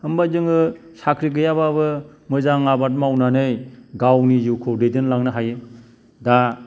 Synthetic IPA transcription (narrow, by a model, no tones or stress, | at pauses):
hɯmbazɯŋɯ | sakʰɾiɡɯjababɯmɯzaŋabat̬̚mawnanɯjɡawnijukʰoɾedɯnlaŋnɯɦajɯ | da